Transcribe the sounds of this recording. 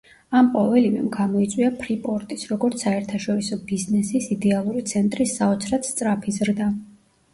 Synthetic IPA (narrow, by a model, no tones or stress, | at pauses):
amqʼɔvɛlivɛ̰mɡamɔit̪sʼwiapʰɾipʼɔɾt̪ʼisɾɔɡɔɾt̪sʰaɛɾt̪ʰaʃɔɾisɔbiznɛsisid̪ɛalˠuɾit̪sʰɛnt̪ʼɾisaɔt̪sʰɾat̪st̪sʼɾapʰizɾd̪a